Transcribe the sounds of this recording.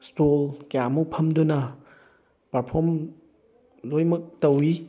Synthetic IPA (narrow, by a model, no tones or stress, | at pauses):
stolkjamupʰɐmdunɐ | paɾpʰoɾm | lojmɐk̚tɐwi